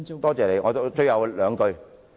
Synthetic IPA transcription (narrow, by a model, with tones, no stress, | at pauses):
t̪ɔː˥t͡sɛː˨˩le˨˩jŋɔː˨˧t̪o˧˥t͡sɵ˧ɥjɐ˨˧wlœː˨˧ŋkɵ˧ɥ